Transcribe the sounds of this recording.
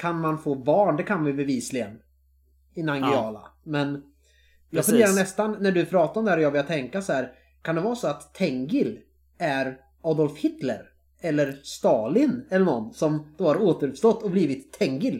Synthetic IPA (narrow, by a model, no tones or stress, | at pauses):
kʰanmanfoːbɑːɳɖ̪ɛkʰanmajbɛviːslɪɡən | ɪnaŋɡʏɑːla̰mɛn | jɑːɡfɵnd̪eːɾaɳɛst̪anːæɖɵpʰɾɑːt̪aɔmd̪ɛhæɾɔjɑːɡbɛljat̪ʰɛŋkasɔhæːɾ | kʰand̪ɛvɑːsɔat̪ʰːɛŋɡɪl | æɾ | ɔd̪ɔlfhɪt̪lə̰ɾ | ɛlːəɾst̪ɑːlɪnɛlːəɳɔnːsɔmd̪̥oːhaɾoːt̪əɾɵpst̪ɔt̪ːɔbliːvɪt̪ʰːɛŋɡɪl